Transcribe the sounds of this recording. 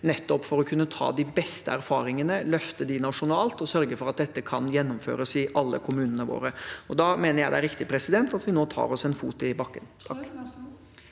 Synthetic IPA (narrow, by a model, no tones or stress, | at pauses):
nɛt̪ːɔpːfɔɾɔkʰʉnːət̪ʰɑ̰ːd̪ɪbɛst̪əæɾfɑːɾɪŋənəlœft̪əd̪ɪnɑʂʊnɑːlt̪ɔsœɾɡəfɔɾɑt̪̚d̪ɛt̪ːəkʰɑnjɛnːʊmfø̰ːɾəsɪʔɑlːə̰kʰʊmʉːnənəʋo̰ːɾəɔd̪ɑmeːnəɾjæɪd̪æɾɪkt̪ɪpʰɾɛsɪd̪ɛnt̪ɑt̪ʋɪnoːt̪ʰɑ̰ːɾɔsɛnfṵːt̪ɪbɑkːənt̪ʰɑk